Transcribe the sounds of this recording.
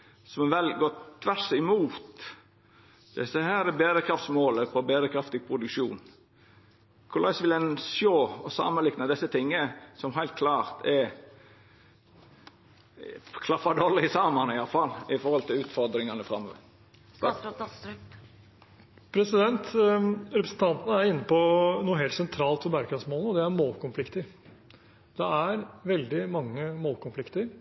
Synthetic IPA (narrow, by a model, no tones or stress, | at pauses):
sɔmʋɛlɡoːt̪ʰʋæɾsɪmuːt̪ | d̪̥ɛsəhæːɾɛbeːd̪əkʰɾɑft̪smoːləpʰɔbeːd̪əkʰɾɑft̪ɪɡ̚pʰɾʊd̪ʉkʃṵːn | kʰʊɾlɑɪsʋɪlɛnʃoːɔsɑ̰mənlɪknəd̪ɪsːət̪ʰɪŋːəəsɔmɦæɪlt̪̚kʰlɑːɾt̪ʰɛ | kʰlɑfɑd̪oːlɪsɑmɑnɪjɑfɑlːɪfɔɾhɔlt̪ʰɪlʉːt̪fɔɾd̪ɾɪŋɑnəfɾɑmːɔ | pʰɾɛsɪd̪ɛnt̪ɾɛpɾəsn̩t̪ʰɑnt̪nəæɾɪnːəpɔnuːəɦeːlsɛnt̪ʰɾɑːlt̪fɔbæɾkɑsmoːlnəɔd̪ɛæɾmoːlkʊnflɪkt̪əɾ | d̪̥ɛæɾʋɛld̪ɪmɑŋːəmoːlkʊnflɪkt̪əɾ